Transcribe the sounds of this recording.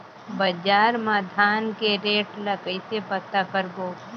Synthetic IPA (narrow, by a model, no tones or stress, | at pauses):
bɐd͡ʒaːɾmaːd̪ʱaːnkeɾeːʈləkəɪsepət̪akəɾɡoː